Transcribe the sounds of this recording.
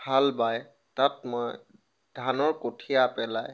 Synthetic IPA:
bʱalbaj | tatmɔj | d̥ʱanɔɹkotʰijapɛlaj

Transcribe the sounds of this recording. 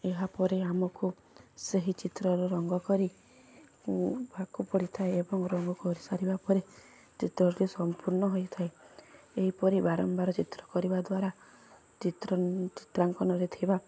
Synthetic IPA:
eɦapɔɾeamɔku | seɦit͡ʃit̪ɾɔɾɔɾɔŋɡɔkɔɾi | kubakupɔɽit̪ʰaeebɔŋɾɔŋɡɔkuɔɾisaɾibapɔɾe | t͡ʃit̪ɾɔɾɾusɔmpuɾnɔɦojt̪ʰaeeɦipɔɾibaɾɔmbaɾɔt͡ʃit̪ɾɔkɔɾibad̪waɾa | t͡ʃit̪ɾt͡ʃi̥t̪ɾaŋkɔnɔɾet̪ʰiba

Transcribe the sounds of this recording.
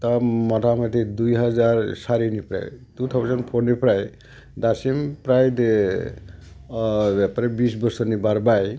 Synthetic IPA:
t̪ɔmɔt̪ʰamat̪ʰid̪ujɦɔd͡ʒaɾsaɾinipɾa̰jt̪ut̪ʰɔbɔsɔnpʰonipɾaj | d̪asimpɾajd̪ | bɛpaɾebisbɔsɔɾnibaɾbaj

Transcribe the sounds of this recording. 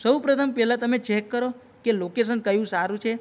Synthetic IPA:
səwpɾət̪ʰəmpɛlãt̪əmet͡ʃɛkːəɾo | kelokes̬ənkəjũsaɾũt͡ʃʰe

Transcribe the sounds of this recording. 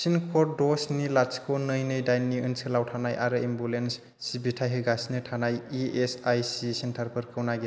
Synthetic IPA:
sinkʰɔɾdɔsnilat͡ʃkʰonɯjnɯjdajnːiɯnsʰɯlawtʰanajʔaɾɯimbulens | sibitʰajɦɯɡasinɯtʰanajiesajsisintʰaɾpʰɯɾkʰɯwnaɡi

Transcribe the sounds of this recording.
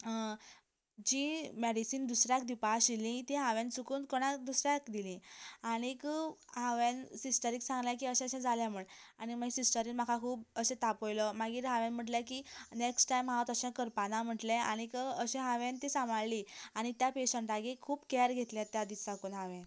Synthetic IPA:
d͡ʑimeɽisiːnd̪usɾjakd̪ipaɕilĩt̪ẽɦaʋẽnt͡sukuːnkoɽ̃ad̪usɾjakd̪ilĩaɽ̃ikɦaʋẽnsisʈəɾiːksãŋɡlãk̬iːəɕɛ̃əɕɛ̃d͡zaljãm̤uɭaɽ̃imasisʈəɾiːnm̤akʰakʰuːpəsẽt̪apojləmaɡiːɾɦaʋɛ̃nm̤əʈlɛkineksʈʈajmɦãwt̪əɕɛ̃kəɾpanam̤əʈlɛaɽ̃ikəɕɛ̃ɦaʋẽnt̪isãmaɭliaɽ̃it̪japeɕəɳʈaɡekʰuːbkɛɾɡʱet̪ljɛ̃t̪jad̪isakunɦaʋɛ̃

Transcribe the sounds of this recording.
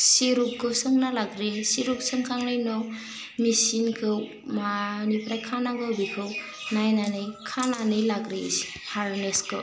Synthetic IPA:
siɾup̚kʰɯsɯŋnalaɡɾesiɾup̚sɯŋkʰaŋlɯjnɔw | misinkʰɯw | manipɾajkʰanaɡɯwbikʰɯw | najnanɯjkʰananɯjlaɡɾes | haɾneskʰɯ̰

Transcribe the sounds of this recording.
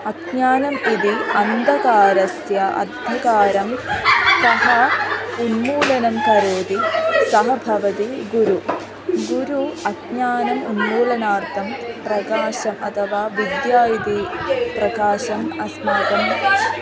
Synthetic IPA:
ɐdɲaːnɐmid̪iɐnd̪ʱɐkaːɾɐsjɐʔɐ̰d̪ʱjɐkaːɾɐmsɐɦɐunmuːlɐnɐmpɐɾoːd̪isɐɦɐbʱɐʋɐt̪iɡuɾu | ɡuɾuɐdɲaːnɐmunmuːlɐnaːrt̪ʰɐmprɐkaːɕɐmɐt̪ʰɐʋaːʋid̪jaːjid̪iprɐkaːɕɐmɐsmɐt̪ɐm

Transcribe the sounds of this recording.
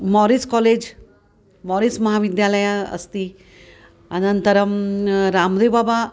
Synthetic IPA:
mɔɾiskɔleːd͡ʑ | mɔɾismɐɦaʋid̪jaləjaɐ̰st̪i | ənənt̪əɾəmɾamd̪ebaba

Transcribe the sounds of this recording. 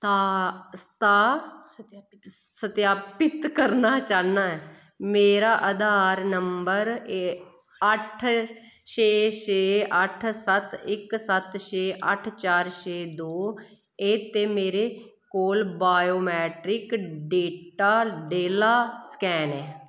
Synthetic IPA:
t̪ast̪aː | sət̪jaːpɪt̪kəɾnaːt͡ʃaːnaːɛː | meːɾaːʔəd̪aːɾnəmbəɾ | əʈʰ | ʃeːʃeːəʈʰsət̪ɪksət̪ʃeːʔəʈʰt͡ʃaːɾʃeːd̪oː | eːt̪eːmeːɾeː | koːlbaːjoːmɛːʈɾɪkɖeːʈaːɖeːlaːskɛːnɛː

